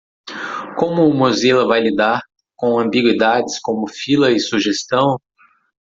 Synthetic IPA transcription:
kõmʊːmozelɐvajlid̪aɾ | kõw̃ɐ̃mbiɡwid̪ad͡ʒɪskõmʊfilɐɪsuʒest̪ɐ̃w̃

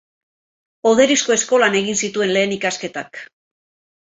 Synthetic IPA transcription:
o̞ðe̞ɾisko̞e̞sko̞lane̞ɣinsit̪ue̞nle̞ːnikaske̞t̪ak

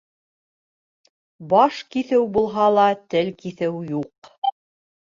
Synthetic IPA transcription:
bɑʃkiθɘwbulˠɦɑlˠɑt̪ɘlkiθɘwjuq

